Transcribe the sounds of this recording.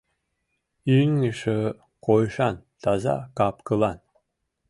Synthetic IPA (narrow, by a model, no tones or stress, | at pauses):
ynŋiʃə | qʰojʃɑnt̪ʰɑzɑ̰kɑpkɤlˠɑn